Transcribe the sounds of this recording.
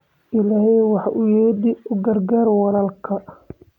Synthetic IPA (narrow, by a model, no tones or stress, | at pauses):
ʔɪlaːhɛjwɑħɑʔʊjɛːd̪ɪʔʊɡɐrɡaːɾwɑlɐlkʰɐ